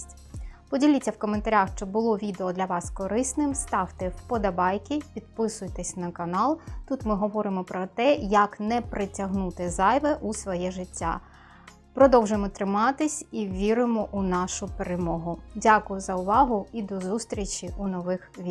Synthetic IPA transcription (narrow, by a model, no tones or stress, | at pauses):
tʲ | pɔdʲilʲit͡sʲːɐwkɔment̪ɐɾʲaxʃt͡ʃɔbʊlˠɔʋʲid̪eɔd̪lʲɐʋɑskɔɾɪsnɪmst̪ɑwt̪ɪwpɔd̪ɐbɑjkʲipʲid̪̚pɪsʊjt̪esʲnɐkɐnɑlˠt̪ut̪mɪɦɔʋɔɾɪmɔpɾɔt̪ɛjɐknɛpɾɪtʲɐɦnut̪ɪzɑjʋɛʔusʋɔjɛʒɪtʲːa̰ | pɾɔd̪ɔwʒɪmɔt̪ɾɪmɑt̪ɪsʲiʋʲiɾɪmɔʔunɑʃʊpeɾemɔɦʊdʲakʊjʊzɐʊʋɑɦʊid̪ɔzust̪ɾʲit͡ʃʲiunɔʋɪxʋʲi